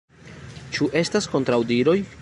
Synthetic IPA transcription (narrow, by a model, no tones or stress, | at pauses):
t͡ʃuʔe̞stasko̞ntɾawdiɾo̞j